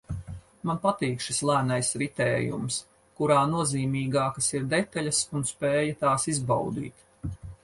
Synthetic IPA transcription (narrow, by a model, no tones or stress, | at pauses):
manpat̪iːkʃislˠæːnajsɾit̪ɛːjṵms | kuɾaːnuɔziːmiːɡɑːkasiɾd̪et̪aʎʲasunspeːjɐt̪aːsizba̰wd̪ḭːt̪